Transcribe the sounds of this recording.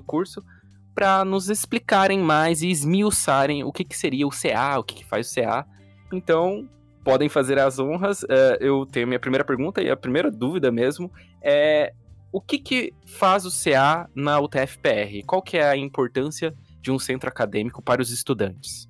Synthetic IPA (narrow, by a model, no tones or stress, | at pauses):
ʊkuɾsʊ | pɾɐnʊzesplikaɾẽj̃majzɪːzmiusaɾẽj̃ʊ̰kɪkɪ̥seɾiɐʊseaʊkɪ̥kɪ̥fa̰jzʊsea | ẽnt̪ɐ̃w̃ | pɔd̪ẽj̃fazeɾɐzõɦɐsɛewt̪ẽj̃ʊɐmĩɲɐpɾimejɾɐpeɾɡũnt̪ɐɪ̰ɐ̰pɾimejɾɐd̪uvid̪ɐmezmʊ | ɛ | ʊkɪkɪ | fazʊseanɐut̪eɛfɪ̥peɛhɪkwawkɪɛɐĩmpoɾt̪ɐ̃siɐ | d͡ʒɪũsẽnt̪ɾʊakad̪ẽmikʊpaɾɐʊzɪst̪ud̪ɐ̃nt͡ʃɪ̥s